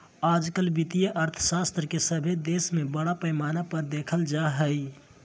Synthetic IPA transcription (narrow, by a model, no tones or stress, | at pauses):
ad͡ʒkəlbit̪ijəʔəɾt̪ʰə̥sast̪ɾəkesəbʱed̪esmebəɽapəjmanapəɾd̪ekʰəld͡ʒaɦəj